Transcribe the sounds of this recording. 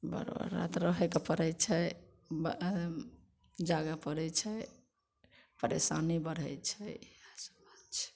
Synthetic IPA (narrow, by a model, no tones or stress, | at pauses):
bə̰ɾbə̰ɾːa̰t̪ɾəɦɛkepəɾɛjt͡ʃʰɛ | b | d͡ʒaɡapəɾɛt͡ʃʰɛ | pəɾḛsanibəɽ̤ɛjt͡ʃʰɛasə̥bat͡ʃʰɛ̥